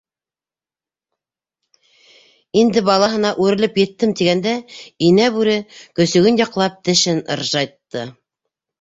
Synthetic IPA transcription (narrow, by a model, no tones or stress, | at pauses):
ind̪ɘbɑlˠɑɦɤ̆nɑʔʉɾɘ̆lɘpjɘ̆t̪ːɘmt̪iɡænd̪æinæbʉɾɘkɵ̆sɵ̆ɡɘnjɑqlˠɑp̚t̪ɘ̆ʃɘnɤ̰̆ɾʒɑjt̪ːɤ